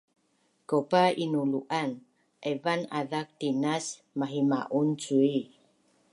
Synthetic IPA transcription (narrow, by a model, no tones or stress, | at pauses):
kopainuluʔan | ʔevanaðak̚t̪inas | maɦima̰ʔunt͡sui